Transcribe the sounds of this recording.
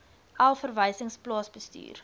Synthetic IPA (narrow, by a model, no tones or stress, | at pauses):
ʔælˠfərvəjsəŋsplɑːsbəsty̰ːr